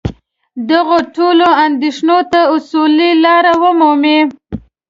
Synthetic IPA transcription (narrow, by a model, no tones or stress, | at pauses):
d̪aɣoʈoloand̪eʂnot̪aʊsulilɑɾawəmume